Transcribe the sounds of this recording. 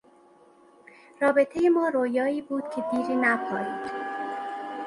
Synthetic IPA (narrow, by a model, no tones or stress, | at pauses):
rɒːbe̞t̪ʰejemɒːɾoːjɒːiːbuːd̪̥̚cʰe̞b̪iːɾiːnæpʰɒːjiːd̪̥